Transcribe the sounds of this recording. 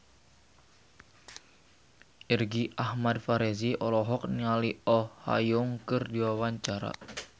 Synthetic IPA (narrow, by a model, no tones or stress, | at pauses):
ʔirɡiahmadfaɾeziʔɔlɔɦɔk̚nialiɔha̰jʊŋkɨrdiwawaɲt͡ʃaɾa̰